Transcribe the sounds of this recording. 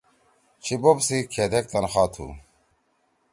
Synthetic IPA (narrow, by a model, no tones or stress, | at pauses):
t͡ɕʰibobsikʰed̪ek̚t̪ɐnxaːt̪ʰṵː